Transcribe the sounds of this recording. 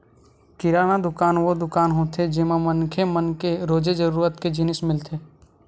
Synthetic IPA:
kɪɾaːnad̪ʊkaːnʋod̪ʊkaːnɦoːt̪ʰed͡ʒɪmamənkʰemənkeɾoːd͡ʒed͡ʒəɾuːɾət̪ked͡ʒɪnɪsmɪlt̪ʰeː

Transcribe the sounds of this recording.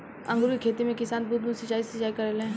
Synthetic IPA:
ɐ̰̃ŋɡɾuikʰeːt̪imẽkɪsaːnbud̪̚mũsət͡ʃaːisət͡ʃaːikɐɾelẽː

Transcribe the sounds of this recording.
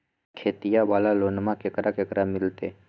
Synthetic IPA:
kʰeːt̪ɪjaʋaːlaloːnmakekɾakekɾamɪlt̪eː

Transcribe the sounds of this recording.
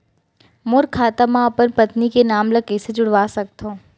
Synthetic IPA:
mʊɾkʰaːt̪amãəpənpət̪nikenaːmləkeːsed͡ʒʊɽʋasəkt̪ʰo

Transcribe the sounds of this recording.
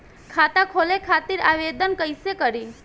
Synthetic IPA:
kʰat̪akʰolekʰat̪iɾaʋed̪ənkəjsekəɾi

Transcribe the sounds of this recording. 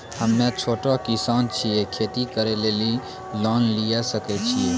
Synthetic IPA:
həmːẽt͡ʃʰoːʈakɪsaːnt͡ʃʰiekʰeːt̪ikəɾeleːli | lɔːnlijasəket͡ʃʰḭe

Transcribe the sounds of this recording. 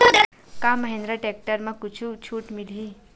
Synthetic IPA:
od̪ʱɐ | kãməɦẽnd̪ɾaʈek̚ʈəɾmãkut͡ʃʰut͡ʃʰuʈmilʱi

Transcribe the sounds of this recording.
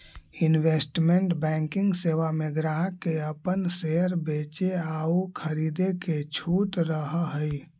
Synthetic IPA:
inwesʈmeɳʈbɛ̃ːŋkɪŋɡseʋameɡɾaɦkeəpənseəɾbet͡ʃeaukʰəɾid̪eket͡ʃʰuːʈɾəɦɦəj

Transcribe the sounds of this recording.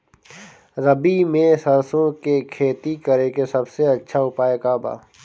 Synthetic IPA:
ɾɐbimẽsɐɾsõkekʰeːt̪ikɐɾekesɐbseɐtːʃʰaʊpaːekaːba̰ː

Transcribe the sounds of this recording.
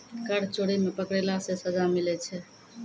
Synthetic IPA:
kəɽt͡ʃoɽimepəkɽelasẽsəd͡ʒamilɛt͡ʃʰɛ

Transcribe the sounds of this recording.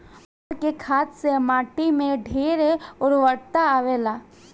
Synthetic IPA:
əɾkekʰaːt̪semaːʈimẽɖʱeːɾeʊɾʋəɽt̪aːʋeːlaː

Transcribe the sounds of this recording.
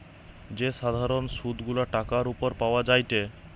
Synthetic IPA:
d͡ʑeʃad̪ʱaɾonʃud̪ɡulaʈakaɾupoɾpaoad͡ʑajt̪e

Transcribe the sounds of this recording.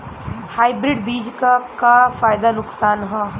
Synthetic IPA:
haːɪbɾɪɖbiːd͡ʒkakafaːjd̪anʊksaːnɦã

